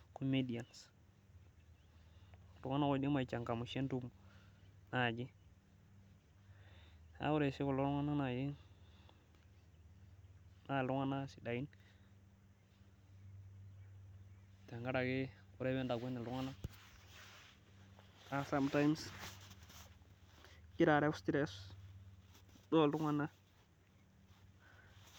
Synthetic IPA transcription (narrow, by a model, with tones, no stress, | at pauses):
ko˨me˦di˨a˨ns | lu˨˦ŋa˦na˦wa˦di˦ma˨t͡ʃa˨ŋka˨mu˨ʃe˦ntu˦m˨na˨d͡ʒi˦ | a̰˨˦wu˦ɾe˨si˦ko˨lo˦lu˦ŋa˦na˦na˨d͡ʒi˦ | na˨lu˦ŋa˦na˦si˨da˨i˦n | te˨ŋɡa˦ɾa˨ɡe˦u˦ɾe˦wɛ̃˦nda˨ɡʷe˦ni˨lu˦ŋa˦na˦ | a˨sa˦mta˦jms | ki˦ɾa˨ɾɛ˦fstɾɛ˦s | do˦˨lu˦ŋa˦na˦